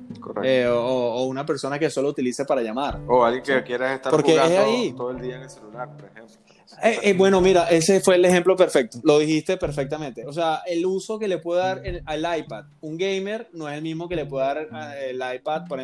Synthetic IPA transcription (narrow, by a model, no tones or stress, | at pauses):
korḛeoːunape̞ɾso̞nake̞so̞lout̪ilisepaɾaʝamaɾoalɣjeŋkekjeɾasest̪aɾpo̞ɾkeaesait̪oðoeld̪iaenelselulaɾpoɾehempl | ebwe̞no̞miɾaʔe̞sefwe̞lexe̞mplo̞pe̞ɾfe̞k̚t̪olo̞ðixist̪e̞pe̞ɾfek̚t̪ament̪eos̬eaʔeluso̞ke̞lepwe̞ðeðaɾeaelajpad̪uŋɡejme̞ɾnoese̞lmizmo̞ke̞le̞pwe̞ðeðaɾaelajpad̪̚poɾe